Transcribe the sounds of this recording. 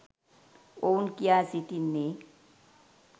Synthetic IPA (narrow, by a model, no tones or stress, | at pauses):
onkiasit̪inːe